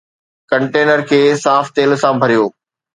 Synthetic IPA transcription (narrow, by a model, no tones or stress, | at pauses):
kɐ̃ɳʈeːnəɾkʰeːsaːft̪eːlsãbʱɐɾijoː